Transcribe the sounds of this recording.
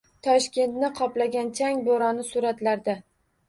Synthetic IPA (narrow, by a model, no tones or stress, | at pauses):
t̪ʰɒʃkʲʰe̞nt̪nɪqʰɒplaɡʲant͡ʃʰaŋboɾɒnɪsʊɾat̪laɾd̪ɪ